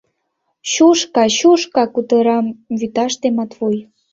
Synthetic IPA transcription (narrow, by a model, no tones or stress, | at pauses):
ɕuʃkɑɕuʃkɑkut̪ɤ̆ɾɑmβyt̪ɑʃt̪emɑt̪vuj